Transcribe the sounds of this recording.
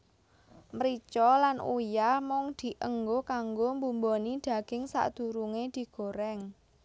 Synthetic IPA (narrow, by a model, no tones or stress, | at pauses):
məɾit͡ʃɔlanṵjahmɔŋd̪̥i̤ʔəŋɡokaŋɡombumbonid̪̥a̤ɡ̥ɪŋsa̰ʔd̪̥ṳɾuŋed̪̥i̤ɡ̥o̤ɾɛŋ